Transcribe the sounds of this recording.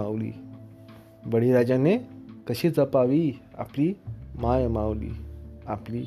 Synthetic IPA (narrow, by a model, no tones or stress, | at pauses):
aʋlḭː | bəɽiɾad͡ʑanekəɕiːt͡səpaʋiːa̰pliːmajmawlḭːapliː